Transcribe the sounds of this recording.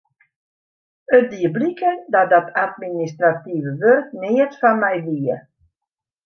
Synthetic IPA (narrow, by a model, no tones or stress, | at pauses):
ət̚diəblikəndɔdɔtʰatministrativəʋørknɪːətfanmɛjʋiə